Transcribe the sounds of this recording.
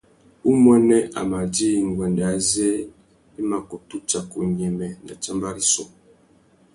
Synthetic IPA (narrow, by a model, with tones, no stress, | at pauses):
u˦mwɛ˦nɛ˦ʔa̰˨ma˨di˦˨ŋ˨ɡwɛ˨nda˨˦zɛ˦ | i˦ma˨kɔ˨tu˦t͡ʃa˨ku˨ɲɛ˨mɛ˨na˨t͡ʃa˦mba˦ɾi˦sɔ˨